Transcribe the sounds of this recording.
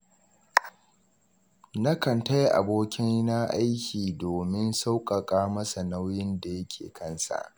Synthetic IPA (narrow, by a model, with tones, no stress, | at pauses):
nɐ˦kɐ˨nta˦jʔa̰˨boː˦kʲɪ˦n˦na˦ʔa˦jkʲiː˨doː˨mɪ˦nsa˦wkʼɐ˨kʼaː˦mɐ˦sa˨na˦wjɪ˦nda˨jɐ˦kʲʰḛː˨kʰɐ˦nsa̰˨ʔ